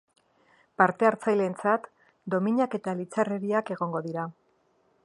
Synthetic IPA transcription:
paɾt̪e̞aɾt͡sajle̞nt͡sat̪ | d̪o̞miɲake̞t̪alit͡sareɾiake̞ɣ̞o̞ŋɡo̞ðiɾa

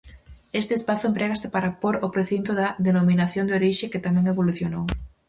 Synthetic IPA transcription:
est̪espaθʊempɾeɣasɪpaɾapoɾopɾeθint̪oðɐðenominaθjond̪eoɾiʃeket̪amɛ̃ŋeβoluθjonow

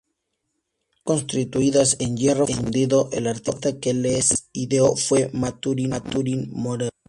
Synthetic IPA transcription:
konst̪ɾit̪uiðasenjeroend̪iðoʔḛlaɾt̪iðekelesiðeofwemat̪uɾiat̪uɾinmoɾeɾ

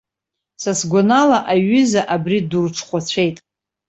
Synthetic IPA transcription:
sasɡʷanalaʔaɥʏzaʔabridurʈ͡ʂʰχʷat͡ɕʷʰe̞jtʼ

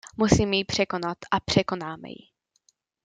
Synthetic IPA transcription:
musiːmjipr̝̥ɛko̞nat̪ʔapr̝̥ɛko̞naːmɛ̰jɪ̰

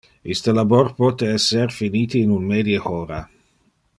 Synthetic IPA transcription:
ist̪əlaborpɔt̪eɛsːeɾfiniːt̪iːnunmeːd̪jəxoːɾa

